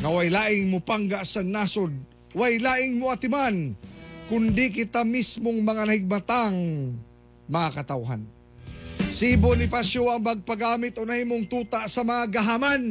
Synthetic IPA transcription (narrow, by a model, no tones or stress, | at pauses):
nɐwajlaːʔɪŋmopaŋɡaʔsɐnaːsod̪̚ | wajlaːʔɪŋmoɐt̪ɪmankʊnd̪ikɪt̪amismoŋmɐŋanɐhɪɡ̚mɐt̪aŋ | mɐŋakɐt̪awɦa̰n | sibonɪpaʃjoɐŋmɐɡ̚pɐɡaːmɪt̪onɐhiːmoŋt̪uːt̪aʔsɐmɐŋaɡɐɦaman